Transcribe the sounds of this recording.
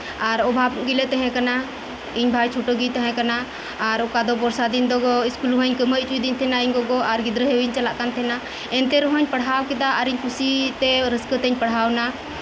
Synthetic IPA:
aɾɔbʱabɡilɛt̪ɛɦɛ̃kana | iɲbʱajt͡ʃʰoʈɔɡit̪ɛɦɛ̃kanaː | ɾɔkad̪ɔpɔɾsad̪ind̪ɔɡɔiskulɦɔɲkəmət͡ʃid̪iɲt̪ʰɛnaiɲɡɔɡɔʔaɾɡid̪ɾəɦewiɲt͡ʃalaʔkant̪ʰɛna | ɛnt̪ɛɾɔɦɔɲpəɽ̤ɦawkɛd̪aʔːɾiɲkʰusit̪ɛɾəskət̪eɲpəɽ̤ɦawna

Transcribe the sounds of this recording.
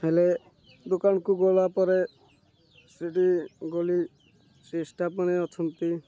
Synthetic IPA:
ɦele | d̪okankuɡolapɔɾe | sɾiʈiɡoli | sesʈapɔɽ̃eɔt͡ʃʰɔnt̪i

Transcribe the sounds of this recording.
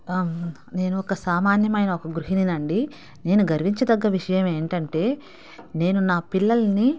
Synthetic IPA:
ne̞ːnuɔkɐsaːmaːnjɐmɐjnɐɔkɐɡɾuɦininɐɳɖi | ne̞ːnuɡɐɾʋiɲt͡ʃɐd̪ɐɡːɐʋiʂɐjɐme̞ːɳʈɐɳʈe̞ː | ne̞ːnunaːpilːɐlɐni

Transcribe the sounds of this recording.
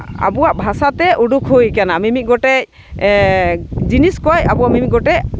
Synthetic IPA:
a̰buwaʔbʱasat̪ɛʔuɖukʰhujkanamimit̪̚ˀɡɔʈɛc̚ | d͡ʒiniskɔjabuwaʔmimit̪̚ɡɔʈɛc

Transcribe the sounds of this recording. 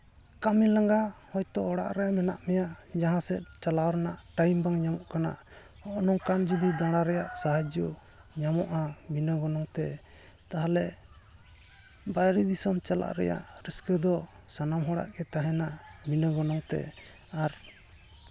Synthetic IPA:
kamilaŋɡahɔjt̪ɔʔɔɽa̰ʔɾɛmɛna̰ʔmɛjaʔd͡ʒaɦãsɛt̪̚t͡ʃalawɔɾnaʔʈajmbaŋɲamɔʔkana̰ʔ | hɔʔnɔŋkand͡ʒud̪id̪ãɽaɾɛjaʔsaɦad͡ʒɔ | ɲamɔ̰ʔaminəɡɔnɔŋt̪ɛ | t̪aɦalɛ | bajɾid̪isɔmt͡ʃala̰ʔɾɛ̰ja̰ʔɾiskəd̪ɔ | sanamɦɔɽa̰ʔɡɛt̪aɦɛnaminəɡɔnɔŋt̪ɛ̰ | aɾ

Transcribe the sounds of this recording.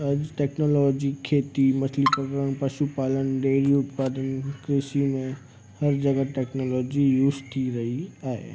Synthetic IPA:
ɐd͡ʒʈeːknoːlɔːd͡ʒikʰːeːt̪imɐslipɾɐkəɾənpɐʃupaːlənɖeːɾiʊt̪paːd̪ənkɾɪsimẽ | hɐɾd͡ʒɐɡaʈeːknoːlɔːd͡ʒijuːd͡ʒt̪ʰiɾɐɦiaːḛ

